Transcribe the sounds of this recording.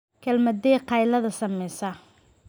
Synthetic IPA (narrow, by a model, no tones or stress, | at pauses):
kʰɐlmɐd̪ɛːqʰɑjlɐðɐsɐmɛjsɐ